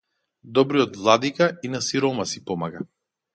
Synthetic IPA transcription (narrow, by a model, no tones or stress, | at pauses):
d̪ɔbɾiɔd̪vlˠad̪ikainasiɾɔmasi̥pɔmaɡa